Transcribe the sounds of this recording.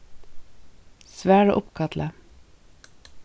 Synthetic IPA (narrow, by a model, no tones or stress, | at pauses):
sʋæːɽoʔʊpkʰɑt̪ʰlə